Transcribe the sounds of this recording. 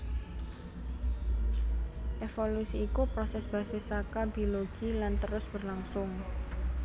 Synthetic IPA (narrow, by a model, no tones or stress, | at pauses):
ʔefolusiːkupɾosɛsb̥a̤sesakabioloɡ̥ilant̪əɾʊsb̥ərlaŋsʊŋ